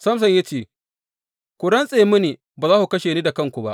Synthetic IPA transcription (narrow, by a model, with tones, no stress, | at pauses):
sɐ˦ms̬ɐ˨ɲja˦t͡ʃeː˦˨ | kʷʊ˨ɽɐ˦nsʼeː˨˦mʊ˦niː˨ | baː˨zaː˦ku˨kɐ˦ʃeː˨niː˦da˨kɐ˦ŋkʷu˨ba˦ʔ